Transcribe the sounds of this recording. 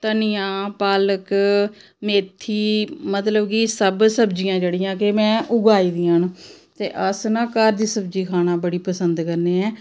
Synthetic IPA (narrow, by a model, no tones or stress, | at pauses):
t̪ənijãːpaːlək | meːt̪ʰːiːmət̪ləbkisəbsəbd͡ʒɪjãːd͡ʒeːɽɪjãːkemɛ̃ːʔʊɡaːiːd̪iːãːnt̪ḛːʔəsnãːkaːɾd̪iːsəbd͡ʒiːkʰaːnãːbəɽiːpəsənd̪kəɾneːɛː